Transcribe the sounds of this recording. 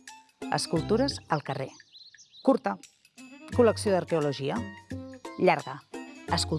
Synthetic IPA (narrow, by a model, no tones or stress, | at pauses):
ə̰skulˠt̪uɾəzəlˠkərekuɾt̪ə | kuləksiod̪əɾkeuluʒiə | ʎaɾɣəəskul